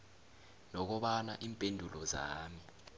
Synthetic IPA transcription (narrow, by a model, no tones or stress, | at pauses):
nɔk̬ɔɓanaʔiːmpʼendʱulɔza̰ːmi